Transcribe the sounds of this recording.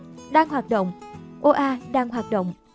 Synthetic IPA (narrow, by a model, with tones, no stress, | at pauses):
ɗaː˧ŋɦwaː˨˩t̚ɗo̰˧˨wŋ͡mʔo˧ʔaː˧ɗaː˧ŋɦwaː˨˩t̚ɗo̰˧˨wŋ͡m